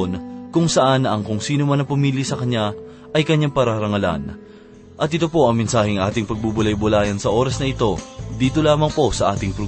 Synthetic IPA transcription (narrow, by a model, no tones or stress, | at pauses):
onkʊŋsɐʔanːɐʔɐŋkʊŋsiːnomɐnːɐpɐmiːljisɐkɐɲːa | ʔɐjkɐɲːaŋpɐɾaɾɐŋɐla̰n | ʔɐt̪ʔɪt̪o̞po̞ʔɐŋmɛnsaːhɪŋʔaːt̪ɪŋpɐɡ̚bubʊlɐjbʊlaːjɐnsɐʔo̞ːɾɐsnɐɪt̪o̞d̪iːt̪o̞laːmɐŋpo̞sɐʔaːt̪ɪŋpɾo